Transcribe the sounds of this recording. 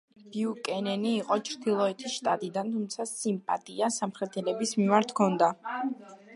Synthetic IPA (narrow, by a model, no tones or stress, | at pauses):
b̥iukʼɛnɛniːqʼɔt͡ʃʰɾd̪ilˠɔɛt̪ʰisʃt̪ʼat̪ʼid̪ant̪ʰumt̪sʰasimpʼat̪ʼiasamχɾɛt̪ʰɛlɛbismimaɾt̪ʰkʰɔnd̪a